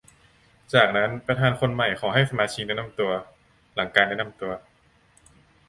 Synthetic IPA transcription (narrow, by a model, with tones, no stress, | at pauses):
t͡ɕaː˨˩k̚na˦˥npa˧t̪ʰaː˨˦nkʰo˧nma˨˩jxʰɔː˩˦ɦa˥˩jsa˧maː˧t͡ɕʰiː˧ŋda˥˩na˥˩mt̪u˧ɐ | la˩˦ŋkaː˧nda˥˩na˧˥˩mt̪u˧ɐ